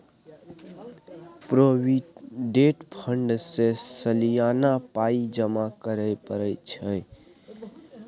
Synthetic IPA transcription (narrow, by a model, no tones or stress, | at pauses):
pɾowiɖeʈpʰəɳɖsesəlijanapaid͡ʒəmakəɾəjpəɾəjt͡ʃʰəj